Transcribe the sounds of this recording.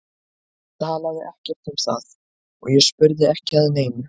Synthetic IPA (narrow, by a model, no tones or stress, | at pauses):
t̪ʰaːlaðɪʔɛhcɛɾ̥t̪ʰhɪmsθa̰ð | ɔ̰ɣjɛspʏɾðɪɛhcɪaðʏneːjmʏ